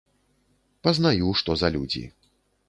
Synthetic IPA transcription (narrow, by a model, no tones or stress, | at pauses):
pɐznajuʂt̪ɔzɐlʲud͡zʲḭ